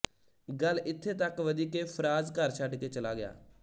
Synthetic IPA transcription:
ɡəlɪt̪ʰːeːt̪əkʋəd̪iːkeːpʰəɾaːzkəɾt͡ʃʰəɖkeːt͡ʃəlaːɡɪja̰ː

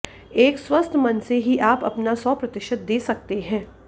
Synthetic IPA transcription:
eːkswɐst̪ʰmɐnseɦiʔaːpɐ̰pnasɔːpɾɐt̪ɪʃət̪̚d̪eːsɐk̚t̪eɦɛ̃ː

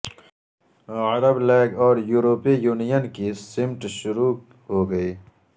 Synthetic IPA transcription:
ɐɾəbleːɡɔːɾjuːɾoːpijuːnijənkisɪmʈʃʊɾu | ɦoːɡɐiː

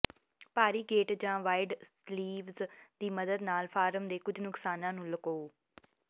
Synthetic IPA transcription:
paːɾiːɡeːʈd͡ʒãːʋaːɪɖsliːʋzd̪iːməd̪əd̪naːlfʰaːɾəmd̪eːkʊd͡ʒʱnʊksaːnãːnũːləkoː

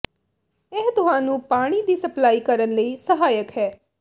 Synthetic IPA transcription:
eɦt̪ʊɦãːnũːpaːɽ̃id̪iːsəplaːiːkəɾənləiːsəɦaːjəkɦɛː

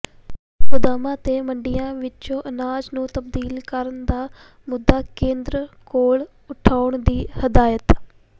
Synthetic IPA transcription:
kʊd̪aːmãːt̪eːməɳɖɪjãːʋɪt͡ʃõːʔənaːd͡ʒnũːt̪əb̚d̪iːlkəɾənd̪aː | mʊd̪ːaːkẽːnd̪ɾəkoːɭ | ʊʈʰaːʊɳd̪iːhəd̪aːjət̪

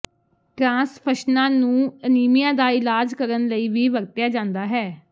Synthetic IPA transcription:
ʈɾãːspʰəʃnãːnũːəniːmijãːd̪aːɪlaːd͡ʒkəɾənləiːʋiːʋəɾt̪jaːd͡ʒãːnd̪aːɦɛː

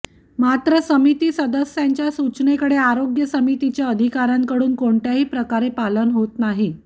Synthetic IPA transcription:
mat̪ɾəsəmit̪iːsəd̪əsjaɲt͡ɕjasut͡ɕnekəɽeaɾoɡjəsəmit̪it͡ɕjaəd̪ʱikaɾãŋkəɽuːnkoɳʈjaɦiːpɾəkaɾepalənɦot̪naɦi

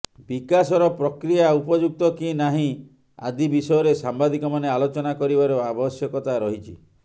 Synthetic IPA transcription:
bikasɔɾɔpɾɔkɾijaupɔd͡ʒuk̚t̪ɔkinaɦĩ | a̰d̪ibisɔjɔɾesambad̪ikɔmanealot͡ʃɔnakɔɾibaɾɔabɔsjɔkɔt̪aɾɔɦit͡ʃʰḭ

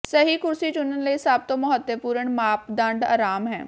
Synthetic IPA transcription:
səɦiːkʊɾsiːt͡ʃʊnənləisaːb̚t̪õːməɦət̪ːəpuːɾəɳmaːpd̪əɳɖa̰ːɾaːmɦɛ̰ː

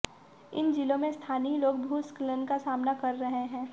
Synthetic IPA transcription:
ɪ̰nd͡ʒɪlõmẽst̪ʰaːniloːɡ̚bʱuːsklənkasaːmnakɐɾːɐɦeɦɛ̃ː

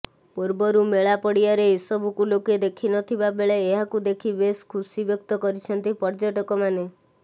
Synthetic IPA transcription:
puɾbɔɾumeɭapɔɽiaɾeesɔbʱukuloked̪ekʰinɔt̪ʰibabeɭeːɦakud̪ekʰibeskʰusibjɔkt̪ɔkɔɾit͡ʃʰɔnt̪ipɔɾd͡ʒɔʈɔkɔmane

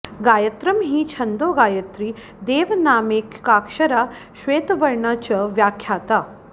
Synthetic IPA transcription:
ɡaːjɐt̪ɾɐmɦit͡ʃʰɐnd̪oːɡaːjɐt̪ɾi | d̪eːʋnaːmeːkːaːkʃɐɾaː | ʃʋeːt̪ʋɐɾɳat͡ʃɐʋjaːkʰjaːt̪aː

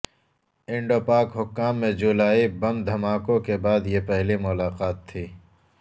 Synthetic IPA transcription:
ɪ̃ɳɖoːpaːkɦʊkːaːmːẽd͡ʒʊlaːibɐmd̪ʱɐmaːkõkebaːd̪jepɛɦlimʊlaːqaːt̪ʰːiː

